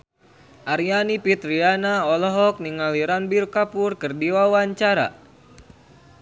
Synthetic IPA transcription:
ʔaɾjanipit̪ɾianaɔlɔɦɔk̚niŋaliɾanbirkapurkɨrdiwawaɲt͡ʃaɾa̰

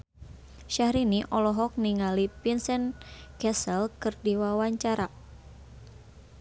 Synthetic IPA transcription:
ʃahɾiniʔɔlɔɦɔk̚niŋalipinsɛnkɛsəlkɨrdiwawaɲt͡ʃaɾa

